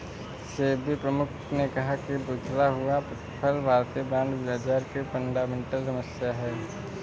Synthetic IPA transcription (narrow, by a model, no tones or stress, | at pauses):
seːbʱipɾəmʊkʰnekɐɦakibuːt͡ʃʰlaɦʊapət̪pʰəlbʱaːɾt̪ibãːɳɖʋjaːt͡ʃaːɾkipə̃ɳɖaːmẽːɳʈəlsɐməsjaɦɛː